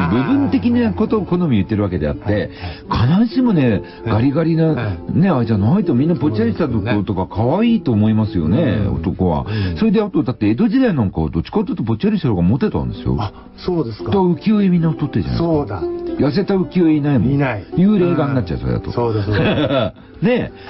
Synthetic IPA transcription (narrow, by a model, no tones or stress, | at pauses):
bɯ̟bɯ̟̃nt̪e̞kʲinakot̪okonomʲiɯ̟t̪ːe̞ɾɯβake̞d̪e̞a̰t̪ːe̞kʰanaɕimone̞ | ɡ̥aɾʲiɡaɾʲinane̞aid͡ʑanait̪omʲĩnːapo̞t͡ɕiaɾʲiɕt̪at̪okot̪o̞kakʰaβaiːt̪oːmo̞imasɨjo̞̰ne̞o̰t̪o̞ko̞βa̰soɾed̪eat̪od̪at̪ːe̞ːd̪o̞ʑid̪ainãŋkaːd̪o̞t͡ɕːi̥kat̪ːot̪ːop̬o̞t͡ɕiaɾʲiɕt̪oɾoɡamo̞t̪ːe̞t̪ã̰nd̪e̞sɨjo̰ | soːd̪eskd̪akɯ̟kʲioimʲĩnːaɸɯ̥t̪ot̪ːeʑa̰n̰ad̪ajas̬e̞t̪aɯ̟kʲioeinaimjɯːɾe̞ːɡaɲ̟inat͡ɕ̚ːaso̰ɾḛa̰t̪o | ne̞